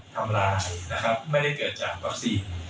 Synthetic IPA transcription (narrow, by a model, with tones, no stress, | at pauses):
t̪ʰa˧mlaː˧jna˦˥kʰa˦˥p̚ma˥˩jda˥˩jkɤː˨˩t̪̚t͡ɕaː˨˩k̚wa˦˥k̚siː˧n